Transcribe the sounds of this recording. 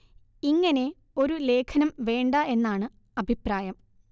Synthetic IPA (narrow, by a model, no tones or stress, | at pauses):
iŋːɐne̞ | o̞ɾule̞ːkʰɐnɐmʋe̞ːɳɖɐe̞nːaːɳɨ | ɐbʱipraːjɐm